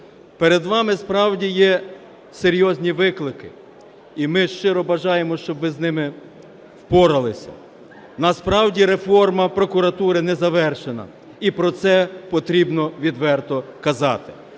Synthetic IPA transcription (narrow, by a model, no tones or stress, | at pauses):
peɾed̪ʋɑmɪspɾɑwdʲijɛ | seɾʲjɔzʲnʲiʋɪklˠɪkɪ | imɪʃt͡ʃɪɾɔbɐʒɑjemɔʃt͡ʃɔbʋɪznɪmɪ | wpɔɾɐlˠɪsʲɐ̰ | nɐspɾɑwdʲiɾefɔrmɐpɾɔkʊɾɐt̪uɾɪnɛzɐʋɛrʃenɐ̰ | ipɾɔt̪sɛpɔt̪ɾʲibnɔʋʲid̪ʋɛrt̪ɔkɐzɑt̪ɪ̥